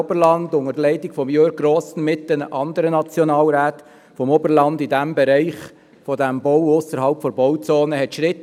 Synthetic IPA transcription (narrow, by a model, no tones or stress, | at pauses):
bəɾlɑndʊŋəlɛɪtɪkfɔmjøːɾɡ̚ɾoːsən̩mɪtːənəʔɑnd̪əɾənɑt͡sjɔnɑːlɾæːt̪ | fɔmobəɾlɑndɪdæmbɛɾɛɪχ | fɔdæmbɔwʊsəɾɦɑlpfɔɾbɔwt͡soːnəɦɛt̪ʃɾɪt